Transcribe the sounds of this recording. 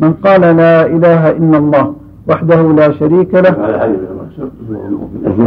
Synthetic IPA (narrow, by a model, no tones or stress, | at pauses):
mɪnqɑːlalaːʔɪlaːɦaʔɪlːalˤːɑːh | waħd̪ahulaːʃaɾiːkalah